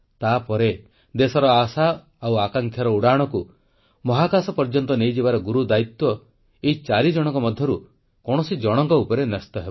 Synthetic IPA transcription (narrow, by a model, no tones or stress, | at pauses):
t̪apɔɾe | d̪esɔɾɔasa | awakaŋkʰjɔɾɔuɽaɽ̃ɔku | mɔɦakasɔpɔɾd͡ʒɔnt̪ɔnejd͡ʒibaɾɔɡuɾud̪ait̪wɔ | eit͡ʃaɾid͡ʒɔɽ̃ɔŋkɔmɔd̪ʱjɔɾu | kɔɽ̃ɔsid͡ʒɔɽ̃ɔŋkɔupɔɾenɔst̪ɔɦebɔ